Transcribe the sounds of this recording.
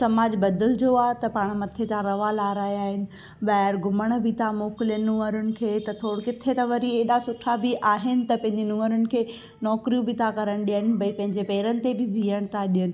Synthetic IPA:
sɐmaːd͡ʑbɐd̪əld͡ʑoːaːɦt̪ɐpaːɽ̃mɐt̪ʰet̪ʰãɾɐʋalaːɾaːjaːɦɪnɪ̆ | ɓaːɪɾɡʊməɽ̃̆bʱɪt̪ʰamoːkɪlijənnʊ̃əɾʊnɪ̆kʰeːt̪ɐt̪ʰoːɽkɪt̪ʰet̪ɐʋɐɾieɗasʊʈʰabɪʔaːɦɪnɪ̆t̪ɐpɐ̃ɦɪ̃ɲd͡ʑenʊ̃ːəɾʊnɪ̆kʰeː | nɔːkɾijũbɪt̪ʰakɐɾəɽ̃ɗijənɪ̆bɐipɐ̃ɦɪ̃ɲd͡ʑepɛːɾənɪ̆t̪ebɪbʱiːəɽ̃t̪ʰaɗijənɪ̆

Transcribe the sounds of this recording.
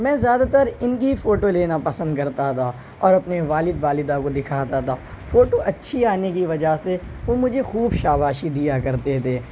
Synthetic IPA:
mɛ̃ːzjaːd̪at̪əɾɪnkifoːʈoleːnapɐsə̃nd̪kɐɾt̪at̪ʰa | ɔːɾɐpneʋaːlɪd̪ʋaːlɪd̪akod̪ɪkʰaːt̪at̪ʰaː | foːʈoɐtːʃʰiaːnekiʋɐd͡ʒaɦseʋoːmʊd͡ʒʱexuːbʃaːbaːʃid̪ijakɐɾt̪et̪ʰeː

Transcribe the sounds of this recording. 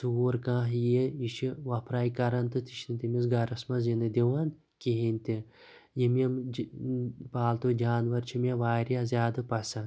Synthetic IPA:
suːɾkãːɦjeiʃiʋɐpʰɾaːjkɐɾɐnt̪ɨt̪iʃnit̪imis̬ɡaɾɐsmɐzinɨd̪iʋɐn | kiɦinʲt̪i | jimʲem | baːlt̪ud͡ʒaːnʋɐɾt͡ʃʰimʲeʋaːɾjazʲjaːd̪ɨpɐsɐn

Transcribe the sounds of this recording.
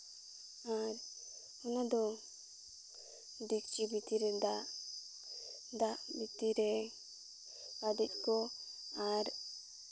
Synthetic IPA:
aɾ | ɔnad̪ɔ | d̪ik̚t͡ʃibit̪iɾɛd̪aʔ | d̪aʔbit̪iɾɛ | bad̪ɛc̚ˀkɔ | aɾ

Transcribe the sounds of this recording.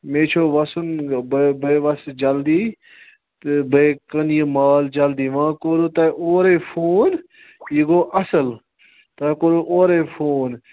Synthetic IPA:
mẽːt͡ʃʰoːʋɐsʊnbbʱɐʋɐsd͡ʒɐld̪iː | t̪bʱekɐnijimaːld͡ʒɐld̪iːʋãːkoːɾoːt̪aʔoːɾeːfʰoːn | jiɡoːʔɐsəl | t̪akoːɾoʔoːɾefʰoːn

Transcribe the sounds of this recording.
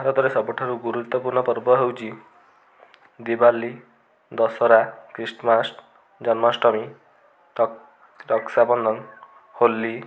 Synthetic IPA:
aɾɔd̪ʱɔɾesɔbɔʈʰaɾuɡuɾut̪ːɔpuɾɳɔpɔɾbɔɦewt͡ʃi | d̪ibalːi | d̪ɔsɔɾakɾisʈmasʈ | d͡ʒɔnmasʈɔmi | ʈ | ʈɔksabɔnd̪ʱɔn | holːi

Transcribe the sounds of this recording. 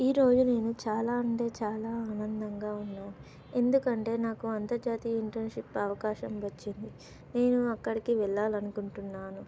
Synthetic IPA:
iːɾo̞ːd͡ʒune̞ːnut͡ʃaːlaːɐɳʈe̞ːt͡ʃaːlaːaːnɐnd̪ɐŋɡaːunːaːnu | e̞nd̪ukɐɳʈe̞ːnaːkuɐnt̪ɐɾd͡ʒaːt̪ijɐiɳʈɐnʂipɐʋɐkaːʃɐmʋɐt͡ʃːind̪i | ne̞ːnuɐkːɐɽikiʋɛɭːaːlɐnukuɳʈunːaːnu

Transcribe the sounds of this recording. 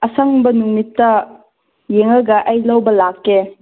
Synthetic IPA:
ʔɐsaŋbɐnuŋmitːɐ | jeŋɐɡɐʔɐjlɐwbɐlakːe

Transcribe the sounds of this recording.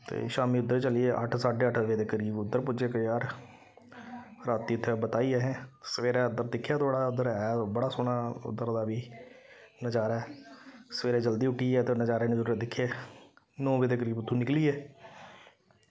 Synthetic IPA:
t̪ḛːʃaːmiːʊd̪ːəɾt͡ʃəliːeːʔə̰ʈʰsaːɖeːəʈʰʋeːd̪eːkəɾiːbʊd̪ːəɾpʊd͡ʒeːkəjaːɾ | ɾaːt̪iːʊt̪ʰːebət̪aːiːɛːɦɛ̃ːsəʋeːɾɛːʊd̪əɾd̪ɪkʰːjaːt̪ʰoːɽaːʊd̪əɾːbəɽaːsoːɳaːʊ̰d̪ːəɾd̪aːbiː | nəd͡ʒaːɾɛːsəʋeːɾeːd͡ʒəld̪iːʊʈʰːiːɛːt̪enəd͡ʒaːɾeːnɪ̃zəɾuɾed̪ɪkʰːjeː | nɔ̃ːʋeːd̪eːk̬əɾiːbʊt̪ʰːũːnɪkliːɛː

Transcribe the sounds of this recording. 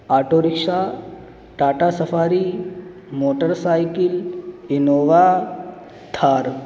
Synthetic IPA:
aːʈoːɾikʂa | ʈaːʈasɐfaːɾi | moːʈəɾsaːjkilinoːʋa | t̪ʰaɾ

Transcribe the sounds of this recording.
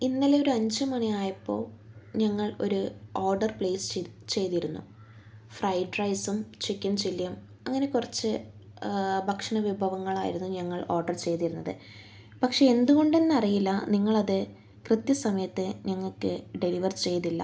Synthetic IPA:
inːileo̞ɾuɐɲd͡ʑɨmɐnijaːjɐpːo̞̰ːɭɲɐŋːɐɭo̞̰ɾuoːrɖɐrpɭeːst͡ɕe̞jt̪iɾunːṵ | frɐjɖrɐjsumt͡ɕikʲːɐnt͡ɕilːijɐm | ɐŋːɐne̞kurɐt͡ɕːɨ | bʱɐkʂɐɳɐʋibʱɐʋɐŋːɐɭa̰ːjḭɾunːuɲɐŋːɐɭoːrɖɐrt͡ɕe̞jt̪iɾunːɐðɨ̰ | pɐkʂe̞end̪uɣo̞ɳɖe̞nːɨɐrijilːɐniŋːɐɭɐðɨ | krɨt̪jɐsɐmɐjɐt̪ːɨɲɐŋːɐɭkːɨɖe̞liʋɐrt͡ɕe̞jt̪ilːɐ̰

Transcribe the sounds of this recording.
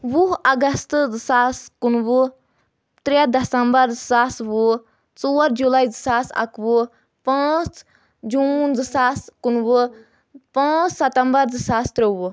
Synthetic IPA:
ʋuɦɐɡɐst̪zɨsaːskunʋu | t̪ɾed̪ɐsɐmbɐɾd͡zɨsaːsʋu | t͡soːɾd͡ʒulaːizɨsaːsɐ̰kʋu | pãːt͡s | d͡ʒuːnzɨsaːskunʋɨ | pãːt͡ssɐt̪ɐmbɐɾzɨsaːst̪ɾeʋu

